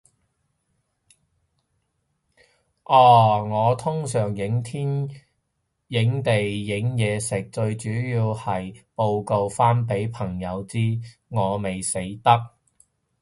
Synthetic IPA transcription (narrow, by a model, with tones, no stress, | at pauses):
ʔaː˨˧˩ŋɔː˨˧t̪ʰʊ˥ŋsœː˨˩ŋjɪ˨˥ŋt̪ʰiː˥n | jɪ˨˥ŋt̪e˨jːɪ˨˥ŋjɛː˨˧sɪ˨˩k̚t͡ʃɵ˧ɥt͡ʃyː˨˥jiː˧whɐ˨jpo˧wko˧wfaː˥npe˨˥jpʰɐ˨˩ŋjɐ˨˧wt͡siː˥ŋɔː˨˧me˨jse˨˥jt̪ɐ˥k̚